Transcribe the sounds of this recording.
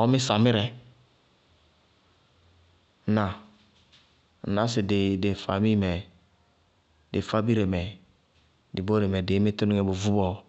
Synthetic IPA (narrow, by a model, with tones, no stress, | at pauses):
o˦mi˦sa˨mi˦ɾɛ˨˦ | na˨ | na˦si˨de˨de˨fa˨mi˦˨mɛ˨ | de˨fa˦bi˦ɾe˨mɛ˨ | di˨bo˦ɾe˨me˨de˨˦me˦to˦nu˦ŋe˨bo˨vu˦bɔ˨